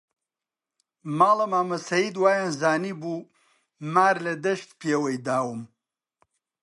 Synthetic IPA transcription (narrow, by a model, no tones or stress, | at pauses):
maːlɐmaːmɐsɐid̪waːjãnzaːnibu | maːɾlɐd̪ɐʂt̪peːwɐjd̪aːwum